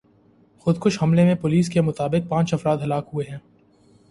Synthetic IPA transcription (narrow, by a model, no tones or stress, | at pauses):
xʊd̪kʊʃhɐmlemẽpʊliːskemʊt̪aːbɪk̚pãːt͡ʃɐfɾaːd̪ɦɐlaːkɦueɦɛ̃ː